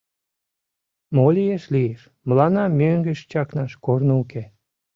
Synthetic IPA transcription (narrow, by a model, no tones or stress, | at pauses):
molijeʃlieʃ | məlɑnɑmøŋɡəʃt͡ɕɑknɑʃkornouke